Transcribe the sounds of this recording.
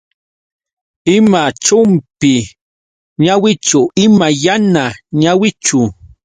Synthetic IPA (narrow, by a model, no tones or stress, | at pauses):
ɪmat͡ʃʊmpɪ | ɲawɪt͡ʃʊɪmajanaɲawɪt͡ʃʊ